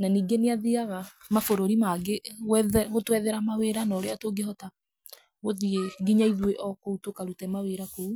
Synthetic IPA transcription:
naniːɡeneaðiaɣa | mafoɾoɾimaɡeɣɛðɣotwɛðɛɾamaweɾanɔɾeatoɡehɔta | ɣoðieɡiɲaiðweʔɔkoutokaɾutɛmaweɾakou

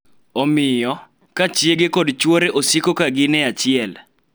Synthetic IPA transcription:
omɪjɔ | kat͡ʃjeɡekɔdt͡ʃwoɾeʔosikokaɡɪnɛat͡ʃɪɛl

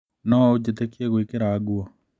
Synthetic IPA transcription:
nɔod͡ʒetekieɣwikeɾaɡwɔ

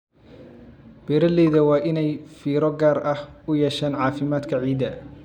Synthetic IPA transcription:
b̥ɛːɾɐlɛːðɐwɑːʔɪnɛjfiːɾɔɡaːɾɐhʊjɛʃaːnʕɑːfɪmaːd̪kʰɐʕiːd̪ɐ

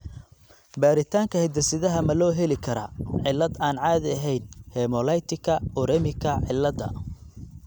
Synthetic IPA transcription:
baːɾɪt̪ʰaːŋkʰɐhɛd̪ɐsɪðɐɦɐmɐlɔːɦɛlɪkʰɐɾɐ̰ʕɪlːɐd̪aːnʕaːðɪɐɦɛjnhɛːmɔlɐjt̪ʰɪkʰɐʊɾɛmɪkʰɐʕɪlːɐd̪ɐ̰

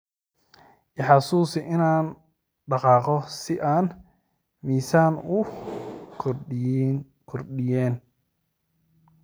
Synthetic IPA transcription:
ʔɪħɑsuːsɪʔɪnaːn | ɖɑqɑːqɔsɪʔaːn | miːsaːnʊ | kʰɔrɗɪjɛːn

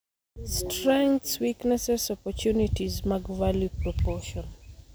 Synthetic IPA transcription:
stɾɛ̃ŋkt̪swiknɛsɛsɔpɔt͡ʃunitizmaɡvaljupɾɔpɔʃɔn

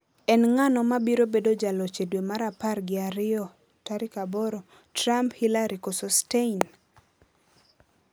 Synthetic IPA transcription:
ɛnŋanɔmabiɾobedod͡ʒalɔt͡ʃedwemaɾaparɡɪaɾɪɔ | taɾɪkabɔɾɔ | tramphilaɾikosɔstein

